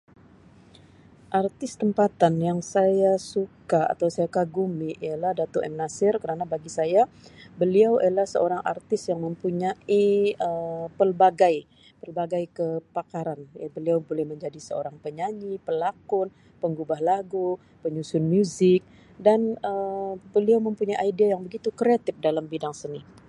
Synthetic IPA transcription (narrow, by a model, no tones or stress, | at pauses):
ʔart̪ɪst̪əmpat̪anjaŋsajasukaa̰t̪awsajakaɡumiʔijalahdat̪oʔɛmnasɪrkəɾanabaɡisajabəliawalahsəoɾaŋa̰rt̪ɪsjaŋməmpuɲaiəpərbaɡaj | pəlbaɡajkəpakaɾanja̰bəliawbolɛhməɲd͡ʒadisəo̰ɾaŋpəɲaɲipəlakʊn | pəŋɡubahlaɡu | pəɲusʊnmjuzɪk̚ | danəbəliawməmpuɲajʔaidiajaŋbəɡit̪ukɾeat̪ɪf̚dalambidaŋsənɪ